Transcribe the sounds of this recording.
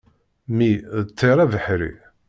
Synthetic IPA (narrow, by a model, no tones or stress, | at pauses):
miðət͡s̪ʰːeɾˤævəħɾḭ